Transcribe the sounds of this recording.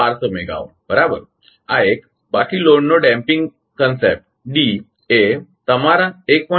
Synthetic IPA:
aɾsəmeɡa̰ʋ̰ | bəɾabə̰ɾ | aek̚ | bakiːloɳːoɖɛ̃mpiŋɡ | kənsḛp̚ʈ̚ | ɖi | et̪əmaɾãek̚pə

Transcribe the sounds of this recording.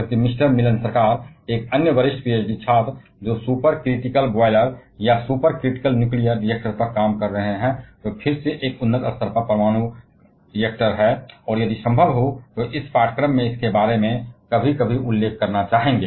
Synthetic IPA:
d͡ʒɐlkimɪsʈəɾmɪlənsəɾkaːɾeːkənjəʋəɾɪʃʈpieːt͡ʃɖit͡ʃʰaːt̪d͡ʒoːsuːpəɾkɾɪʈɪkəlbɔɪləɾjasuːpəɾkɾɪʈɪkəlnjuːklijəɾɖiek̚ʈəɾpɐɾkaːmkɐɾːəɦeɦɛ̃t̪opʰɪɾseʔeːkʊnːəɡ̪ə̰səɾpəɾpɾəmaːñu | ɖiek̚ʈəɾɦɛːɔːɾjɐd̪isə̃mbʱəlɦot̪oʔɪspaːʈkɾəmːẽɪskebaːɾemẽkəbʱikəbʱiʔʊlːeːkʰkɐɾnat͡ʃaːɦẽːŋɡeː

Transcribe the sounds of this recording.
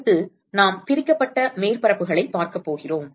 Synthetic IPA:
t̪ːɯ | naːmpɪɾɪkːɐpːɐʈːɐmeːɾpɐɾɐpːɯɣɐɭɐɪpːaːɾkɐpːoːɣɪroːm

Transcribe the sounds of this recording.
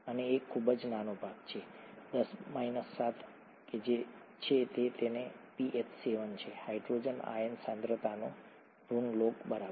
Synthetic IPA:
əneːkʰːubəd͡ʒnanobʱaɡt͡ʃʰed̪əsmainəsːat̪ʰ | ked͡ʒet͡ʃʰet̪et̪enepiʔepʰseʋənt͡ʃʰehaiɖɾod͡ʒəna̰jənsãnd̪ɾət̪ano | ɾunlokbəɾa

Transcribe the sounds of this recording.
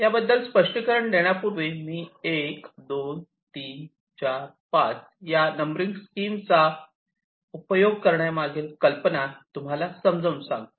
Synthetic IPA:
jabəd̪ːəlspəʂʈikəɾəɳd̪eɽ̃japuɾʋemiːekd̪on | t̪i | t͡ɕaɾ | pa̰t͡s | janəmbɾiŋɡskiːmt͡sa | upəjoɡ̚kəɾɳjamaɡʱelkəlpənat̪um̤alasəmd͡zəunsã̰ŋɡ̪

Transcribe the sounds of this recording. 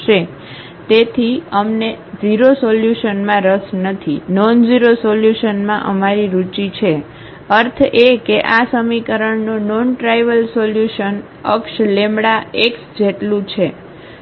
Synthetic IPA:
ʃe | t̪et̪ʰiəmned͡ʒiɾosoljuʃənmãɾəsnət̪ʰinɔnd͡ʒiɾosoljuʃənmãʔəmaɾiɾut͡ʃit͡ʃʰe | əɾt̪ʰekeʔasəmikəɾəɳnonɔnʈɾajʋəlsoljuʃən | əkʃlemɽaeksd͡ʒeʈlũt͡ʃʰe

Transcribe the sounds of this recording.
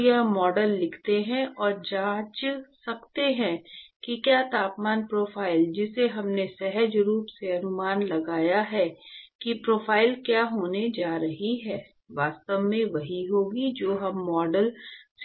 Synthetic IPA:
jamɔːɖəlːɪkʰt̪eɦɛ̃ɔːɾd͡ʒaːt͡ʃsɐkt̪eɦɛ̃kikjaːt̪aːpmaːnpɾoːfʰaːɪld͡ʒɪseɦɐmnesɛɦəd͡ʒɾuːpseɐnʊmaːnlɐɡaːjaɦɛkipɾoːfʰaːɪlkjaːɦoːned͡ʒaːɾɐɦiɦɛː | ʋaːst̪əʋmẽʋɐɦiɦoːɡid͡ʒoːɦɐmːɔːɖəls

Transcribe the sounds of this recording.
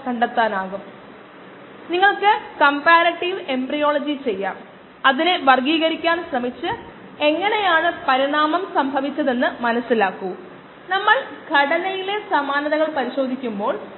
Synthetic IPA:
kɐɳɖɐt̪ːaːnaːɣum | niŋːɐɭkɨkɐmpaːɾɐʈːiʋe̞mbrijo̞ːɭɐd͡ʑit͡ɕe̞jːaːm | ɐðineʋɐrɡiːɣɐɾikʲːaːnɕrɐmit͡ɕːɨ | e̞ŋːɐne̞jaːɳɨpɐɾiɳaːmɐmsɐmbʱɐʋit͡ɕːɐðe̞nːɨmɐnɐsːilaːkːu | nɐmːɐɭɡʱɐɽɐnɐjile̞sɐmaːnɐðɐɣɐɭpɐɾiɕo̞ːd̪ʱikʲːumbo̞ːɭ

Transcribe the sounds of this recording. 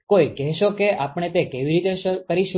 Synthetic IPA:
koikɛɦʃokeʔapɳ̃et̪ekeʋiɾit̪eʃkəɾiʃ

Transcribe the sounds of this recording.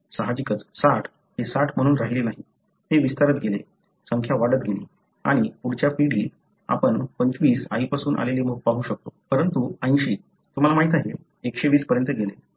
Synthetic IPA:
saɦad͡ʑikət͡ssaʈʰ | ɦesaʈʰm̤əɽ̃uːnɾaɦilenaɦi | heʋist̪aɾət̪ɡʱelḛ | səŋkʰjaʋaɽət̪̚ɡʱelḭ | a̰ɽ̃ipuɽt͡ɕjapiɽiː | a̰pəɳpəɲt͡ɕʋiːsa̰ipasuːnʔa̰leliːməɡ̚paɦuːɕək̚t̪opəɾənt̪uə̃j̃nɕiː | t̪um̤alamaɦit̪aɦe | ekɕeʋiːspəɾjənt̪əɡele

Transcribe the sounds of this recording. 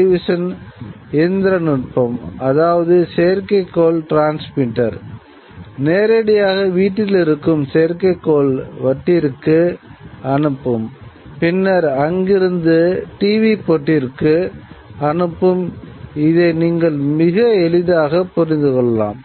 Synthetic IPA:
ɪʋɪʂɐn | ɛnd̪ɪɾɐnɪʈ̚pɐmɐðaːʋɐðɯsejɐɾkɐɪkːoːlʈɾaːnsmɪʈːɐɾ | neːɾɐɽɪjaːɣɐʋiːʈːɪlɪɾɯkːɯmsejɐɾkɐɪkːoːlʋɐʈːɪɾkːɯ | ɐɳɯpːɯmpɪnːɐɾɐŋɡɪɾɯnd̪ɯʈiːʋipɔʈːɪɾkɯɐɳɯpːɯmɪðeɪniːŋɡɐɭmɪɣɐɛlɪðaːɣɐpʊɾɪnd̪ɯkɔɭːɐla̰ːm

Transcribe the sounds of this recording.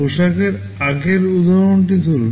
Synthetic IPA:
uʃakeɾ | aɡeɾud̪ʱaɾonʈit̪ul

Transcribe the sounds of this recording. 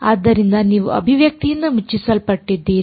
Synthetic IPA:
aːd̪ːɐɾind̪ɐniːʋuʔɐ̰bʱiʋjɐk̚t̪ijɐnːɐmut͡ʃːisɐlpɐʈːid̪ːiː

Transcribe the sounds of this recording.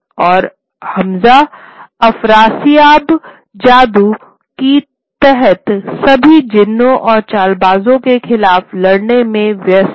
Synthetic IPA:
ɔːɾ | hɐmza | ɐfɾaːsiaːb | d͡ʒaːd̪u | ki | t̪ɛɦɛt̪sɐbʱid͡ʒɪnːõʔɔːɾt͡ʃaːlbaːzõkexɪlaːflɐɽnemẽʋjəs

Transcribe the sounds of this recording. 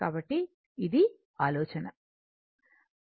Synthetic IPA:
aːbɐʈːiː | d̪i | aːlɔːt͡ʃɐnɐ

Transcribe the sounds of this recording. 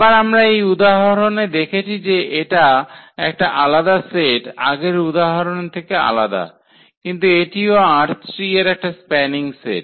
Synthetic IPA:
baɾamɾaejud̪aɦaɾoned̪ekʰet͡ɕʰid͡ʑeʔeʈaɛkʈaʔalad̪aseʈa̰ɡeɾud̪aɦaɾont̪ʰekea̰la̰d̪a̰ | kint̪ueʈioaɾtɾieɾɛk̚ʈaspɛniŋsḛʈ̚

